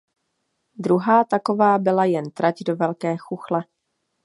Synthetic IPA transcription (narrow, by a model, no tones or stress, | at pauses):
d̪ɾuɦaːt̪ako̞vaːbɪlajɛnt̪ɾacdo̞vɛlkɛːxuxlɛ